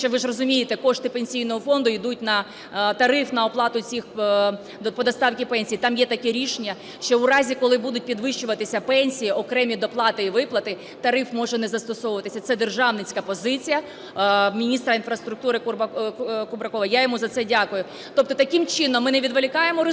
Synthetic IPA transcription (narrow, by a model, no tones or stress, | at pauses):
t͡ʃɔʋɪʒrɔzʊmʲijet̪ɛkɔʃt̪ɪpenʲsʲijnɔɦɔfɔnd̪ʊid̪ut̚ʲnɐ | t̪ɐɾɪfnɐɔplˠɑt̪ʊt͡sʲix | d̪pɔd̪ɐst̪ɑwkʲipɛnʲsʲijt̪ɑmjɛt̪ɐkɛɾʲiʃenʲːɐ | ʃt͡ʃɔuɾɑzʲikɔlˠɪbud̪ʊt̚ʲpʲid̪ʋɪʃt͡ʃʊʋɐt̪ɪsʲɐpɛnʲsʲijiʔɔkɾɛmʲid̪ɔplˠɑt̪ɪiʋɪplˠɐt̪ɪ | t̪ɐɾɪfmɔʒɛnɛzɐst̪ɔsɔʋʊʋɐt̪ɪsʲɐt̪sɛd̪erʒɑʋnɪt͡sʲkɐpɔzɪt͡sʲijɐ | mʲinʲist̪ɾɐinfɾɐst̪ɾʊk̚t̪uɾɪkkʊbɾɐkɔʋɐjajɔmuzɐt̪sɛdʲɑkʊjʊ | t̪ɔp̚t̪ɔt̪ɐkɪmt͡ʃɪnɔmːɪnɛʋʲid̪ʋelʲɪkɑjemɔɾɪ